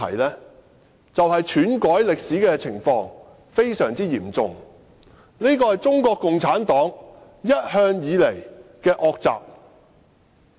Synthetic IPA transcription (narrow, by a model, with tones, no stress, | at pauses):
ɐ̰˨˩jlɛː˥ | t͡sɐ˨whɐ˨jt͡ʃʰyː˨˥nkɔː˨˥jlɪ˨k̚siː˨˥kɛː˧t͡sʰɪ˨˩ŋfɔː˧ŋ | fe˥jsœː˨˩ŋt͡siː˥jiː˨˩mt͡sʊ̰˨ŋ | ni˥kɔː˧hɐ˨jt͡sʊ˥ŋkʷɔː˧kːʊ˨ŋt͡sʰaː˨˥nt̪ɔː˨˥ŋ | jɐ˥t̚hœː˧ŋjiː˨˧le˨˩jkɛː˧ʔɔː˧k̚t͡sa̰ː˨p̚